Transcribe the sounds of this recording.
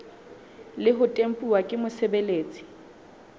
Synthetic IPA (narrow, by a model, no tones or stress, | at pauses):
lɪɦʊtʼem̩pʼuwakʼɪmʊsebeleːt͡sʼi̥